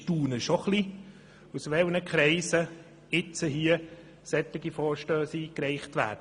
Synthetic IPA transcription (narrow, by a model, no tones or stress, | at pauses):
tuːnəʃɔχli | usʋɛlnəkʰɾɛɪsə | ɪt͡səɦiə | sɛtːɪɡifɔːɾʃtøːsiːkɾɛɪχtʋæ̰ːdə